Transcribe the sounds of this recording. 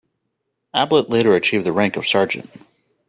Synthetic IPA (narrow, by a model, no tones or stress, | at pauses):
æbləʔˡleɪɾə˞ɨt͡ʃʰivðɨɹæ̃ŋkʌv̥sɑɹd͡ʒɨ̰̃nt̚